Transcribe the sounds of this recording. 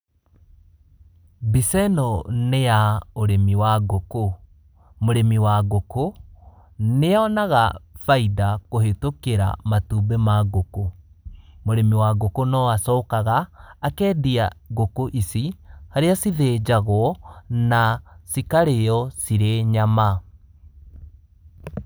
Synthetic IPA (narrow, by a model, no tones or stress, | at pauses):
bisɛnɔnejaoɾemiwaɣoko | moɾemiwaɣoko | neaɔnaɣa̰faidakohetokeɾa̰matuːbɛmaɣoko | moɾemiwaɣokonɔasɔːkaɣaːkɛːdiaɣokoʔisihaɾeasiðed͡ʑaɣwɔnasikaɾeɔsiɾeɲama